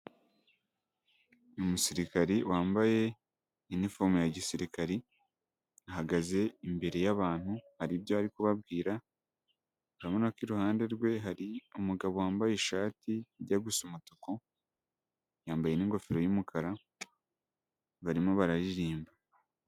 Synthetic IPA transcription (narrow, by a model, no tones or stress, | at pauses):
umusiɾikaɾiwaːmbaje̞ | inifoɾmujaɟisiɾikaɾi | aɦaɡaze̞imbe̞ɾe̞jaβaːn̥huhaɾibjo̞aɾikuβabɡiːɾa | uɾaβonakwiɾuhaːnde̞ɾɡwe̞ɦaɾiumuɡaβo̞waːmbajeʃaːtiɾɟaɡusumutoko̞ | jaːmbajeniŋɡo̞fiɾo̞jumukʰaɾa | βaɾimoβaɾaɾiɾiːmba